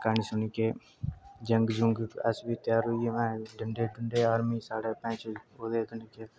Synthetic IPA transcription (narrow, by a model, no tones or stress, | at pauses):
kanisʊnikeː | d͡ʒəŋɡd͡ʒʊŋɡə̰sbiːt̪jaːɾʊiemɛ̃ːɖəɳɖeːɖʊɳɖeːaːɾmiːsaːɽeːpə̃ːt͡ʃoːd̪eːɡ̪əɳkeː